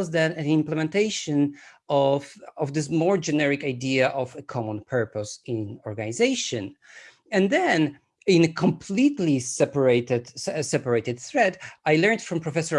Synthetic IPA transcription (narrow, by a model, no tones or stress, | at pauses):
zðɨnɨ̃nɪ̃mplɛmɛ̃nteɪʃɨ̃nɔvɔvd̪ɪs̬mɔɹd͡ʒɛnɛɹɪkajdiaʔɔvəkʰɔmɔ̃npʰɜ˞pɔsɪ̃nɔɹɡanizeɪʃɨ̃n | ɛ̃nd̪ɛ̃n | ɪ̃nɨkʰɔ̃mpʰlit̪lisɛpəɹetɨdsɛpəɹeɪtɨd̪θɹɛtajlɛ̃ɹntfɹɔ̃mpɹɔfɛsə˞